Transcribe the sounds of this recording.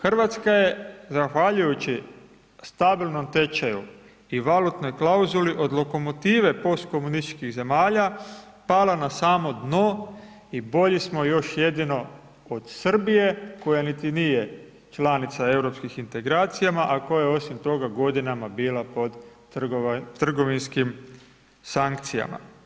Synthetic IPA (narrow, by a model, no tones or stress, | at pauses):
xr̩ʋat̪skaje̞zaxʋaʎujut͡ɕi | st̪abilˠno̞mt̪e̞t͡ʃajṵ | iʋalut̪no̞jklauzuliʔo̞d̪lˠo̞ko̞mo̞t̪iːʋe̞po̞st̪ko̞munist̪i̥t͡ʃkiɣze̞maːʎa | palanasaːmo̞d̪no̞ | ibo̞ʎismo̞jo̞ʃje̞d̪ino̞ | od̪̥sr̩bije̞ko̞janit̪inije̞ | t͡ʃlanit̪sae̞wɾo̞pskixint̪e̞ɡɾaːt̪sijamaʔakojajeo̞simt̪o̞ɡaɡo̞d̪inamabiːlˠapo̞d̪ | rɡ̪r̩ɡo̞ʋinskim | saŋk̚t̪sija̰ma̰